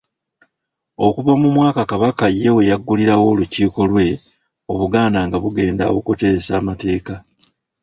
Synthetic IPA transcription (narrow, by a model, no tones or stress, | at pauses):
o̞kuβamumwaːkakaβakaje̞wejaɡːuliɾawo̞ːluciːko̞lwe̞ | o̞βuɡaːndaŋɡaβuɡe̞ːnda̰wokute̞ɾesaːmate̞ːka